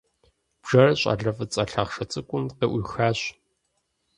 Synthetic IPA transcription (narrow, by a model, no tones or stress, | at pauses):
b̥ʒ̥ɐrɐɕʼa̰ːɮɐfɐt͡sʼɐɬaːχʂɐt͡sʼɨkʷʼʊmqeːʔʷʊːxaːɕ